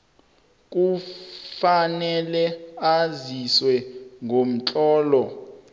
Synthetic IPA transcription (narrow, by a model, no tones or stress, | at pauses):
k̬ʼufanɛlɛaziswɛŋom̩t͡ɬʼɔːlɔ